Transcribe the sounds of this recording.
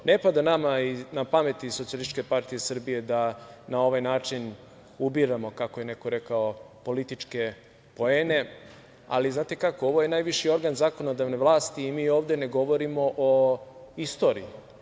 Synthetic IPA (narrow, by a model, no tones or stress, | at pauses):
nepad̪anamainapame̞t̪isot̪siolit̪it͡ʃke̞paɾt̪ije̞sr̩bije̞d̪anao̞ʋajnaːt͡ʃin | ubiɾamo̞kako̞je̞ne̞ko̞ɾe̞kao | po̞lit̪it͡ʃke̞ | po̞eːne̞ | a̰liznaːt̪e̞kako̞o̞ʋo̞je̞naːjʋiʃio̞ɾɡanzako̞no̞d̪aʋneʋlˠaːst̪iːmiːoːʋd̪e̞ne̞ɡo̞ʋo̞ɾimo̞ʔoist̪o̞ːɾḭji